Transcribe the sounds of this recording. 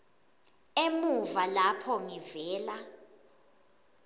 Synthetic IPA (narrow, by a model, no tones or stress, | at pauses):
emuvalapʰɔŋivɛːla